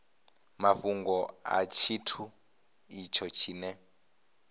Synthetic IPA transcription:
maɸuŋɡɔa̰t͡ʃʰitʰu | it͡ʃʰɔt͡ʃʰiːnɛ

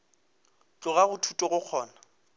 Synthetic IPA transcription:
t͡ɬʼʊɣaɣʊtʰutʼɔɣʊq͡χʰɔːna

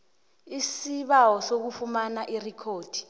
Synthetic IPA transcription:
isiɓawɔsok̬ufumanaʔirikʰoːd̥ʱi̥

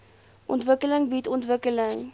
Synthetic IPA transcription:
ʔɔ̰ntvəkələŋbitɔntvəkələŋ

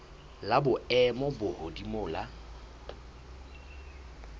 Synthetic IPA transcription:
labʊɛmɔbʊhodimʊːla

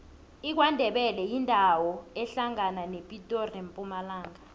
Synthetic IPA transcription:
ik̬wandʱɛɓɛlɛjindʱawɔɛɬaŋananepʼitʼɔrempʼumalaːŋa

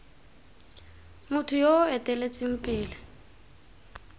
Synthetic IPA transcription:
mʊtʰʊjoɛtʼɛlet͡sʼɪm̩pʼɪːlɪ

